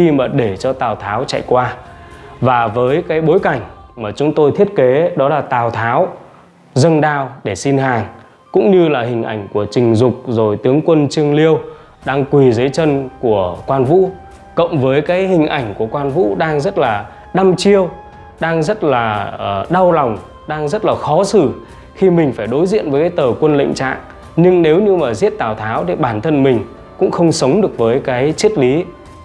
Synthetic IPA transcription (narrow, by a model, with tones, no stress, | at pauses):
xi˧maː˨˩ɗe˧˩t͡ɕɔ˧t̪aː˨˩wt̪ʰaː˨˦wt͡ɕa̰˧˨jkwaː˧ | vaː˨˩vəː˨˦jkaː˨˦jɓo˨˦jka˧˩jŋ̟maː˨˩t͡ɕʊ˨˦ŋ͡mt̪o˧jt̪ʰi˦˥ət̚ke˨˦ɗɔ˨˦laː˨˩t̪aː˨˩wt̪ʰaː˨˦w | zə˧nɗaː˧wɗe˧˩si˧nɦaː˨˩ŋ | kʊ̰˧˥ŋ͡mɲɨ˧laː˨˩hï˨˩ŋ̟ʔa̰˧˩jŋ̟ku˧˩ət͡ɕï˨˩ŋ̟zʊ˨˩k͡p̚zo˨˩jt̪ɨ˨˦əŋkwə˧nt͡ɕɨ˧əŋli˧əw | ɗaː˧ŋkwi˨˩zə˨˦jt͡ɕə˧nku˧˩əkwaː˧nvṵ˧˥ | kə̰˧˨wŋ͡mvəː˨˦jkaː˨˦jhï˨˩ŋ̟ʔa˧˩jŋ̟ku˧˩əkwaː˧nvṵ˧˥ɗaː˧ŋzə˦˥t̚laː˨˩ | ɗa˧mt͡ɕi˧əw | ɗaː˧ŋzə˦˥t̚laː˨˩˨ɗa˧wlɔ˨˩wŋ͡m | ɗaː˧ŋzə˦˥t̚laː˨˩xɔ˨˦sɨ˧˩ | xi˧mï˨˩ŋ̟faː˧˩jɗo˨˦jzḭ˧˨ənvəː˨˦jkaː˨˦jt̪əː˨˩kwə˧nlḭ˧˨ŋ̟t͡ɕa̰ː˧˨ŋ | ɲɨ˧ŋne˨˦wɲɨ˧maː˨˩zi˦˥ət̚t̪aː˧˩wt̪ʰaː˨˦wɗe˧˩ɓaː˧˩nt̪ʰə˧nmï˨˩ŋ̟ | kʊ̰˧˥ŋ͡mxə˧wŋ͡msə˨˦wŋ͡mɗɨ˨˩ək̚vəː˨˦jkaː˨˦jt͡ɕi˦˥ət̚li˨˦